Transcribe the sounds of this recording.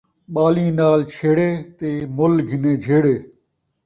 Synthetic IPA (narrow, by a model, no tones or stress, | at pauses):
ɓaːlĩːnaːlt͡ʃʰeːɽeːt̪eːmʊlɡʱɪnẽːd͡ʒʱeːɽeː